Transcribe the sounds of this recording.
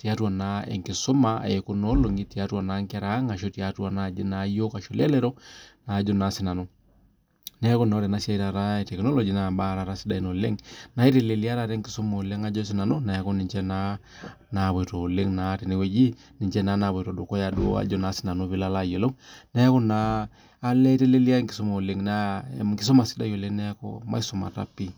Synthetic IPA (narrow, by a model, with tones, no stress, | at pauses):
ti˨a˦twa˨na˦ɛ̰˨ŋkɪ˨so˦ma̰˨ɛ˨ko˦nɔ˦lo˨ŋɡi˦ti˨a˦twa˨na˦ŋka˦ɾa˦ŋa˨ʃo˦ti˨a˦twa˨na˦˨d͡ʒɪ˦na˨˦jo˦ka˨ʃɔ˨lɛ˦lɛ˦ɾɔ˦na˨˦d͡ʒɔ˦na˨˦sɪ˦na˨nɔ˦ | na˦ko˦na˦ɾɛ˨na˦sja˦i˦ɾa˨ɾa˦ɛ˨tɛ˨knɔ˦lɔ˨d͡ʒi˨na˨ba˦˨ɾa˨ɾa˦sɪ˦da˨i˦nɔ˨le˦ŋna˨˦i˦ɾe˨le˨li˦a˦ɾa˨ɾɛ˦ŋkɪ˨so˦mɔ˨le˦ŋa˦d͡ʒɔ˦s̬ɪ˨na˨no˦na˨a˦ko˦nɪ˨ɲt͡ʃɛ˦na˦ | na˨βɔ˨ɾo˨le˦ŋna˨˦tɛ˨ne˦we˨d͡ʒi˦ | ni˨ɲd͡ʒɛ˦na˦na˨βɔ˨ɾɔ˨do˨kɔ˦ja˨dṵ˦a̰˨d͡ʒɔ˦˨na˨˦si̥˦na˨no˦βi˦la˦la˦˨jɔ˨lo˦mnɛ˦kɔ˦naː˦ | lɛ˦te˦le˦li˦a˦ŋki˨so˦mo˨le˦ŋna˦ŋki˦s̬ɔ˦ma˨si̥˦da˦jɔ˨le˦ŋnɛ˦ko̰˦ma̰˦i˦sɔ˨ma̰˨ta̰˦pi˦